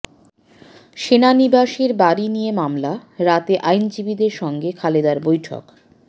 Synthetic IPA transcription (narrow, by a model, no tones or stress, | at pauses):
ʃenanibaʃeɾbaɾinijemamlaɾat̪eʔajnd͡ʑibid̪eɾʃɔŋɡekʰaled̪aɾbojʈʰo̰k